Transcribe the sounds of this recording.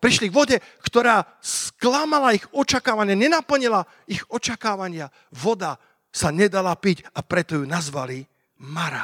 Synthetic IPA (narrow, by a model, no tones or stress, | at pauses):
pɾiʃliɡʋɔɟɛkt̪ɔɾaː | ssklamalaiɣɔt͡ʃakaːʋaɲɪaɲɛnapl̩ɲila | iɣɔt͡ʃakaːʋaɲɪa | ʋɔd̪a | saɲɛd̪alapicapɾɛt̪ɔjunazʋali | maɾa̰